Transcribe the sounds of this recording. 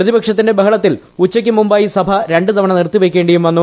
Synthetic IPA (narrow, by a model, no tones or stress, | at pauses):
rɐðibɐkʂɐt̪ːinde̞bɐɦɐɭɐt̪ːil | ut͡ɕːɐk̬ʲːɨmumbaːjisɐbʱɐɾe̞ɳɖɨt̪ɐʋɐɳɐnirt̪ːiʋekʲːeːɳɖɐjumʋɐnːu